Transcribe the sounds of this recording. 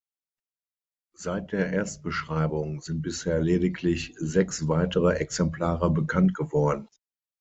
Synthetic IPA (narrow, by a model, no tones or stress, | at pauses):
zaɪt̚d̥eːɐʔeːɐst̚b̥əʃʁ̥aɪbʊŋzɪnt̚b̥ɪsheːɐleːdɪklɪçzɛksv̥aɪtəʁəʔɛksɛmplaːʁəbəkʰantɡ̥əvɔɐdn̩